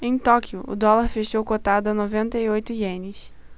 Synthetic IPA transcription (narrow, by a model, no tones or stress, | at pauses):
ẽj̃t̪ɔkiʊʊ̰d̪ɔlaɾfeʃowkot̪ad̪ʊanovẽnt̪ɐiojt̪ʊʒẽnɪs